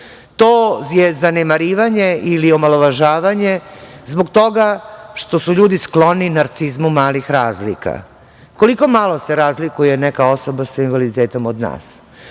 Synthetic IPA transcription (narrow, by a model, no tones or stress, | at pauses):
t̪oːjezanemaɾiːʋaɲe̞ilio̞malo̞ʋaʒaːʋaɲe̞zbokt̪o̞ɡaʃt̪o̞suʎuːd̪isklo̞ninaɾt̪sizmumaːlixɾaːzlḭka̰ | ko̞liko̞malˠoseɾaːzlikuje̞nekao̞so̞basainʋalid̪it̪eːt̪o̞mod̪na̰ːs